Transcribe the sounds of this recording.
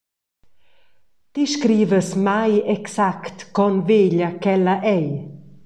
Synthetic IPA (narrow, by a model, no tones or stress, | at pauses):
t̪iʃkɾiːvəsmajɛksakt̪kɔnveːʎakɛlaʔɛj